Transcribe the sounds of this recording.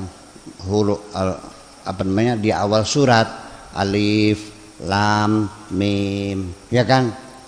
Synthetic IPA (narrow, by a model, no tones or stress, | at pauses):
ŋ | ɦulʊʔ | a̰panamaɲadia̰walsuɾat̪̚ʔa̰lif | lamːimjakan